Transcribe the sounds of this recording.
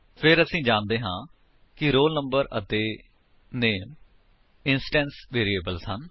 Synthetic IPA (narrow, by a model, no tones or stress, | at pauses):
pʰɪɾəsĩːd͡ʒaːnd̪eːɦãː | kɪɾoːlnəmbəɾə̰t̪eː | neːm | ɪnsʈɛ̃ːnsʋeːɾieːbəlsən